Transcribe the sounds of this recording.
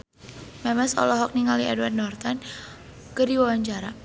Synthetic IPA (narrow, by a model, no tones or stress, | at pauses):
mɛmɛsɔ̰lɔɦɔk̚niŋaliɛdwardnɔrt̪an | kədiwawaɲt͡ʃaɾa